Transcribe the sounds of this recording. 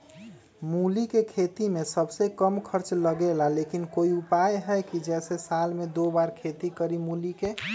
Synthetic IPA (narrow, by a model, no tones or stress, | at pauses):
mulikekʰet̪imesəbsekəmkʰəɾt͡ʃləɡelalekinkoiupajɦəjkid͡ʒɛsesalmed̪obaɾkʰet̪ikəɾimulike